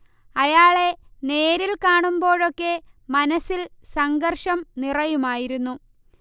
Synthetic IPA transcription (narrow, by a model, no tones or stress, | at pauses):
ɐjaːɭe̞ne̞ːɾilkaːɳumbo̞ːɻo̞kːe̞ | mɐnɐsilsɐŋɡɐrʂɐmnirɐjumaːjiɾunːu